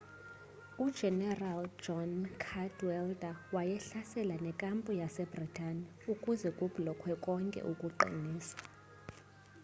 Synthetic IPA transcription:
ud̥ʒ̥ʱɛnɛrald͡ʒɔnkʰadwɛldawajɛɬasɛlanɛkʼampʼujasɛb̥ritʼani | ukʼuzɛkʼub̥lɔkʰwɛkʼɔŋkʼɛ̰ʔukʼuǃʱḭniːsḁ

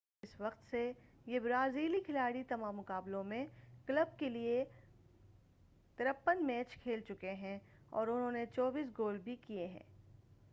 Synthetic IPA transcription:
ɪsʋɐqt̪se | jebɾaːziːlikʰɪlaːɽit̪ɐmaːmːʊkaːblõmẽkləb̚kelie | t̪ɐɾəpːənmɛːt͡ʃkʰeːlt͡ʃʊkeɦɛ̃ | ɔ̰ːɾʊnɦõːnet͡ʃɔːbiːs̬ɡoːlbʱikieɦɛ̰̃ː

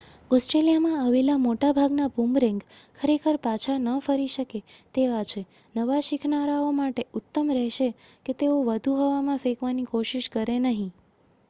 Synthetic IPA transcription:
ɔsʈɾelijamãaʋelamoʈabʱaɡnabʱumɾɛ̃ŋɡkʰəɾekʰəɾpat͡ʃʰanəːfəɾiʃəket̪eʋat͡ʃʰe | nəʋaʃikʰnaɾaomaʈeʊt̪ːəmɾɛɦʃeket̪eoʋəd̪ʱuɦoʋamãfekʋanikoʃiʃkəɾenəɦĩ

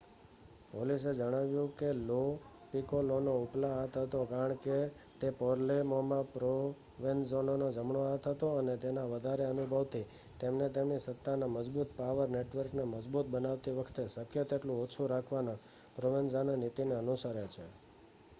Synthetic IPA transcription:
polised͡ʒəɽ̃aʋjũkelo | pikolonouplaat̪ɦət̪okaɾəɳ̃ke | t̪epɔɾlemomãpɾo | ʋenzononod͡ʒəmɳoat̪ɦət̪oənet̪enaʋəd̪ʱaɾeənubʱəʋt̪ʰi | t̪emnet̪emnisət̪ːanaməd͡ʒbut̪paʋəɾneʈʋəɾknaməd͡ʒbut̪̚bənaʋt̪iʋəkʰt̪esəkʰjət̪eʈlũot͡ʃʰuɾakʰʋanã | pɾoʋenzananit̪ineənusəɾet͡ʃʰe

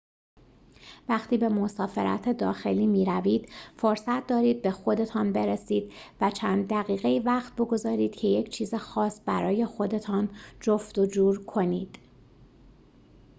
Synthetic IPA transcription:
væχt̪ʰiːbe̞mosɒːfe̞̰ɾʔæ̰t̪ʰe̞d̪ɒːxe̞liːmiːɾæviːd̪̥foɾsæt̪̚ʰd̪ɒːɾiːd̪̚be̞xo̞d̪e̞t̪ʰɒːnbe̞ɾesiːd̪̥væt͡ʃʰæːnd̪ːæɣiːɣe̞jivæχt̪̚bo̞ɡo̞zɒːɾiːd̪̥cʰe̞je̞cʰt͡ʃʰiːzexɒːsbæɾɒːje̞xo̞d̪e̞t̪ʰɒːnd͡ʒoft̪o̞d͡ʒuːɾkʰo̞niːd̪̥

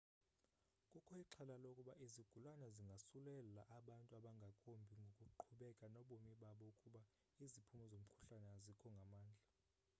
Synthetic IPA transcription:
kʼukʰɔiǁʰalalokʼuɓaʔiziɡ̥ʱulwanɛziŋɡʱasulɛlaʔaɓantʼuaɓaŋɡʱakʼombʱiŋɡʱokʼuǃʰuɓɛkʼanɔɓomiɓaɓɔukʼuɓa | izipʰumɔzom̩kʰu̥ɬanɛazikʰɔŋɡʱamaːnd͡ɮʱa

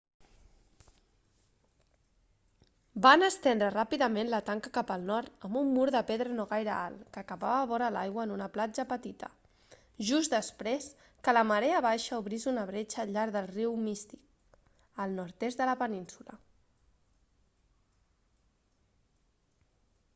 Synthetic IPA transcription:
banəst̪end̪ɾərapiðəmenlət̪aŋkəkapəlˠnɔɾt̪əmbumːuɾðəpeðɾənoɣajɾəa̰lˠkəːkəβaβəβɔɾəla̰jɣwəːnunəplad͡ʒəpət̪it̪ə̰ | ʒuzd̪əspɾes | kələməɾeaβaʃəuβɾizunəβ̞ɾet͡ʃəːʎaɾðəlˠriwmist̪i̥k | əlˠnɔɾt̪ezd̪ələpəninsulə̰

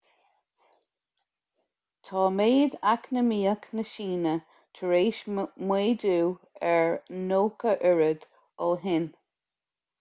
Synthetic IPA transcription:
t̪ʰɑːmeːd̪aknəmiːəknəʃiːnə | tʰəɹeːʃmweːduː | ɛɹnoːkəʔʊɹəd̪̥ | ɔlɦɪn

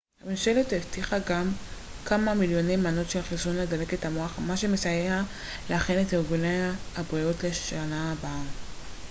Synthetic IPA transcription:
hamenʃe̞letheftiχaɡam | kamamiljo̞nejmano̞tʃelχisunledale̞kethamoaχamaʃe̞mesajeha | leaχenetiʁɡunejhabʁijotle̞ʃanaːbaa

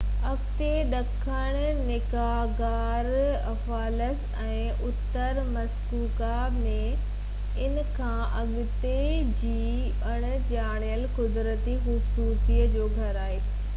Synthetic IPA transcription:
ɐkt̪eɗɐkʰəɽ̃ | nɪka | ɡaːɾɐfaːləs | ɛ̃ː | ʔʊt̪ːəɾmɐskuːkaːbnẽ | ɪnkʰãːʔɐɠ | t̪ed͡ʑiː | ɐɽ̃ | t͡ɕaːɽ̃ijəlkʊd̪ɾət̪ixʊsuːt̪iːəd͡ʑoːɡʱɐɾaːɦeː

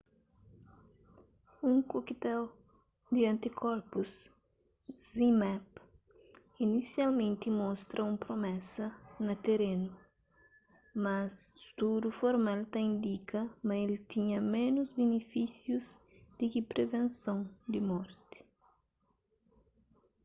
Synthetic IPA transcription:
ũŋkokit̪ɛw | d̪iɐ̃nt̪ikʰɔɾpus | zimap | inisjalmẽnt̪imɔst̪ɾʔɐũmpɾomɛsɐnɐt̪eɾenu | mɐsst̪uɾufoɾmalt̪aĩnd̪ikɐmɐelt̪iɲɐmẽnuzbenefisjuz | d̪ɪkipɾʔevẽnsõŋd̪ɪmɔɾt̪ɪ̥

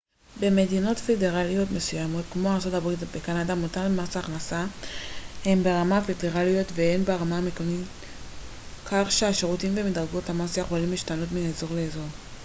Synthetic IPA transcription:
be̞me̞dino̞tfe̞de̞ʁalijo̞tmesujamo̞tkmo̞aʁt͡so̞tabʁitbekanadamotalmasaːχnasa | he̞mbeʁamafede̞ʁalijo̞tvehenbeʁamamekonit | kʰaχʃeaʃeʁutimvemidʁaɡo̞tamasajeχo̞limliʃtano̞tmineːzo̞ʁleːzo̞ʁ

